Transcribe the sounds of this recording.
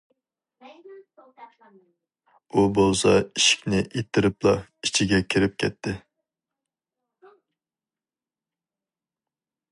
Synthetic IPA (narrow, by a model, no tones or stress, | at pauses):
ubolˠsɑiʃi̥kʲnɪʔet̪ʰːɪɾɪplˠɑit͡ʃʰiɡʲɛkʲʰiɾɪp̚kʲʰɛt̪ʰːɪ